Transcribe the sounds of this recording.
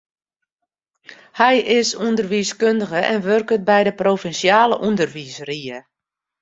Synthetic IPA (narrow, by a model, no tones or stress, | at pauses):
hɛjɪsundərʋiːskøndəɣəʔɛnʋørkət̚bɛjdəproːfɛnsjaːləʔundərʋisriə